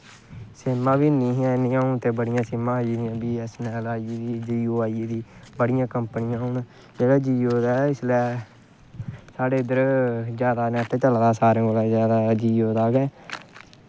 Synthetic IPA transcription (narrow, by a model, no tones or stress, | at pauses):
sɪmːãːbiːnĩːɦɛ̃ːnɪãːũnt̪eːbəɽɪjãːsɪmãːɦd͡ʒiːd̪ɪjãːbiːɛːsnɛːlaːiiːd̪iːd͡ʒiːoːaːid̪iːbəɽɪjãːkəmpnɪjãːɦʊ̃ːna | d͡ʒeːɽaːd͡ʒiːoːd̪aːɪslɛː | saːɽeːd̪əɾd͡ʒjaːd̪aːnɛ̃ːt̪ʰeːt͡ʃəld̪aːsaːɾẽːɡolɛːzjaːd̪aːd͡ʒiːoːd̪aːɡɛː